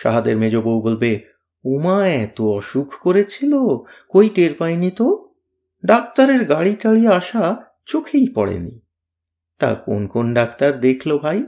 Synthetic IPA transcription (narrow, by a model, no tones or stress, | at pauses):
ʃa̰ɦad̪eɾmed͡ʑobowbolbe | omaet̪oɔʃukʰkoɾet͡ɕʰilokojʈeɾpajnit̪o | ɖak̚t̪aɾeɾɡaɽiʈaɭieaʃa | t͡ɕokʰejpɔɽḛnḭ | t̪a̰ko̰nkonɖakt̪aɾd̪ekʰlobʱaj